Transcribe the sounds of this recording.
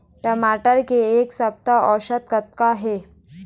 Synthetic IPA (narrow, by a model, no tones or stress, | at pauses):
ʈəmaʈəɾkeːksəp̚t̪aʔɔɕət̪kət̪̚kaɦe